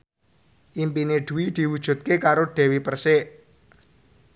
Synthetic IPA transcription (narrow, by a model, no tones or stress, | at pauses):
ʔimpineɖ̪̥ṳwid̪̥i̤wud̥ʒ̥ṳt̪̚kekaɾoɖ̥ɛ̤wipərsɪʔ